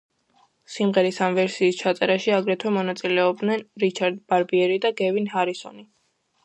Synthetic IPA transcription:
simʁɛɾisamvɛɾsiːst͡ʃʰat̪sʼɛɾaʃiaɡɾɛt̪ʰwɛmɔnat̪sʼilɛɔb̚d̪nɛnɾit͡ʃʰaɾd̪b̥aɾbiɛɾid̪aɡɛvinhaɾisɔ̰ni

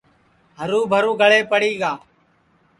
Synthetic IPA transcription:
ɦəɾuːbʱəɾuːɡʱəɭeːpəɽiːɡaː

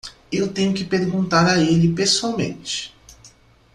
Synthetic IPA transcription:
ewt̪ẽɲʊkɪpeɾɡũnt̪aɾɐelɪpesuawmḛ̃nt͡ʃɪ̥

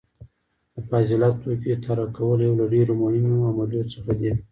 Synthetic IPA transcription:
d̪əfazɪlɑt̪ːoket̪ʰaɾakawəljawlaɖeɾomʊhɪmoamaljot̪səxad̪i

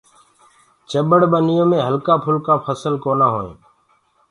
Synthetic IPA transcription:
t͡ʃəɓəɽɓənɪjõːmẽːɦəlkaːpʰʊlkaːpʰəsəlkoːnaːɦo̰ːḛ̃ː

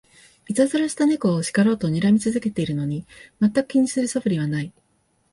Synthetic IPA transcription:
it͡sazɨɾaɕi̥t̪ane̞ko̞ːɕi̥kaɾo̞ːt̪o̞ɲ̟iɾamʲit͡sɨzɨke̞t̪e̞iɾɯ̟no̞ɲ̟imat̪ːakɯ̟kʲiɲ̟isɨɾɯ̟soɸɯ̟ɾʲiβ̞anai

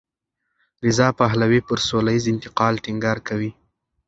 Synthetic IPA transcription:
ɾɪzɑpaɦlawepəɾsolajizɪnt̪ɪqɑlʈɪŋɡɑɾkawi

